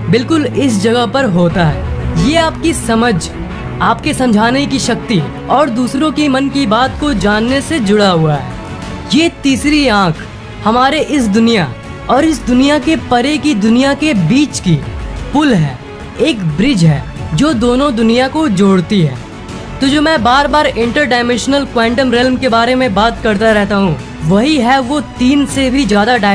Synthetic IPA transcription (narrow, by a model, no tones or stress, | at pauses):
bɪlkʊlɪs̬d͡ʒɐɡəɦpɐɾɦoːt̪aɦɛːjeːaːpkisɐməd͡ʒʱ | aːpkesɐ̃md͡ʒʱaːnekiʃɐk̚t̪i | ɔːɾd̪uːsɾõkimɐnkibaːt̪kod͡ʒaːnːesed͡ʒʊɽaɦʊaɦɛ̰ː | jet̪iːsɾiãːkʰ | hɐmaːɾeʔɪs̬d̪ʊnija | ɔːɾɪsd̪ʊnijakepɐɾekid̪ʊnijakebiːt͡ʃkipʊlɦɛ̰ː | eːkbɾɪd͡ʒɦɛ̰ːd͡ʒoːd̪oːnõd̪ʊnijakod͡ʒoːɽt̪iɦɛ̰ː | t̪od͡ʒomɛ̃ːbaːɾbaːɾɪ̃ɳʈəɾɖaːɪmɛ̃nʃnəlkwɛ̃ːɳʈəmɾɪlmkebaːɾemẽbaːt̪kɐɾt̪aɾɛɦt̪aɦũ | ʋɐɦiɦɛʋot̪iːnsebʱid͡ʒjaːd̪aɖaː